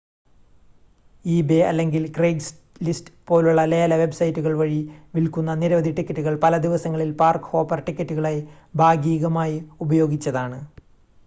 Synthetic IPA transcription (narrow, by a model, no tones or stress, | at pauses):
iːbeɐ̰lːe̞ŋɡilkreːɡs | listɨ̥po̞ːluɭːɐle̞ːlɐʋe̞bsɐjtːuɣɐɭʋɐɻiʋilkunːɐniɾɐʋɐd̪ʱiʈikʲːɐtːuɣɐɭpɐlɐd̪iʋɐsɐŋːɐɭilpaːrkho̞ːpɐrʈikʲːɐtːuɣɐɭej | bʱaːɡiːɣɐmaːjiubɐjo̞ːɡit͡ɕːɐðaːɳɨ